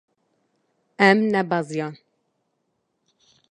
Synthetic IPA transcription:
ɛmnɛbɑzijɑn

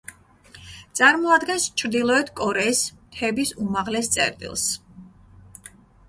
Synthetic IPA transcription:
t̪sʼaɾmɔad̪ɡɛnst͡ʃʰɾd̪ilˠɔɛt̪ʰkʼɔɾɛismt̪ʰɛbisumaʁlɛst̪sʼɛ̰ɾt̪ʼḭlˠs

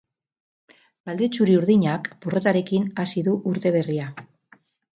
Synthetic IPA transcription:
bald̪e̞t͡suɾiuɾðiɲakporo̞t̪aɾe̞kinasiðuʔuɾt̪e̞β̞e̞ria

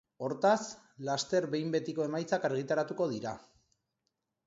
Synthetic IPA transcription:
o̞ɾt̪as | last̪e̞ɾbe̞jmbe̞t̪iko̞e̞majt͡sakaɾɣ̞it̪aɾat̪uko̞ð̞iɾa

